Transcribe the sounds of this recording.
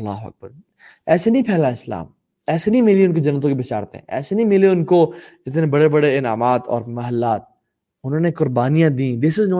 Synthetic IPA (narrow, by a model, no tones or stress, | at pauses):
ɐlːa̰ːɦʊɐ̰k̚bəɾ | ɛːsenɐĩpʰɛːlaɪsla̰ːm | ɛːsenĩmɪlieʊnkod͡ʒɐnːət̪̬õkibɪt͡ʃaːɾt̪ḛɛ̰̃ɛ̰ːsenɐ̃ĩmɪliʊnkod͡ʒɪt̪̬nebɐɽebɐɽeɪna̰ːmaːt̪ɔ̰ːɾmɐɦəlːaːt̪ | ʊnɦõːnekʊɾbaːnijãd̪ĩːd̪ɪsɪzno